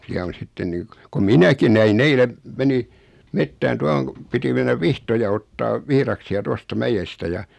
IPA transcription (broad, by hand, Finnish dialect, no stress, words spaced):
siæ on̞ sitːen niː k kom minæki næin eile meni metːæːn tuɑhoŋ ku piti menːæʋ ʋihtojɑ otːɑːʋ ʋihrɑksiɑ tostɑ mæjestæ jɑ